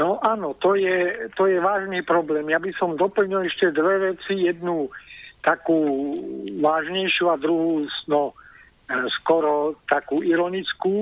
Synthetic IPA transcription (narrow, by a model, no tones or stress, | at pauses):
nɔʔanɔt̪ɔjɛt̪ɔjɛʋaːʒniːpɾɔblɛːmjabisɔmd̪ɔpl̩ɲilɛʃcɛd̪ʋɛʋɛt͡sijɛd̪nut̪akuː | ʋaːʒɲɛjʃuad̪ɾuɦuːsnɔ | skɔɾɔt̪akuːiɾɔnit͡skuː